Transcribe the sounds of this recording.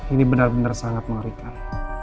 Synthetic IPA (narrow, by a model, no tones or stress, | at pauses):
inibənarbənarsaŋat̪̚məŋaɾikan